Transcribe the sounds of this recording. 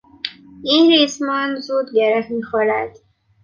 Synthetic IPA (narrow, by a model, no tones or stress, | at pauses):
iːnɾiːsmɒːnzuːd̪ɡeɾehmiːxoːɾæd̪̥